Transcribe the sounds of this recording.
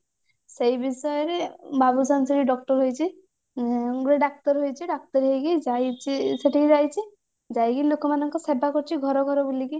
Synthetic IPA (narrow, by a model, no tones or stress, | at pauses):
sejbisɔjɔɾebabusansɔɾiɖɔk̚ʈɔɾɦojt͡ʃʰi | ɾeɖak̚ʈɔɾɦojt͡ʃʰiɖak̚ʈɔɾɦejkid͡ʒajt͡ʃʰiseʈʰikid͡ʒajt͡ʃʰi | d͡ʒajɡilokɔmanɔŋkɔsebakɔɾt͡ʃʰiɡʱɔɾɔɡʱɔɾɔbuliki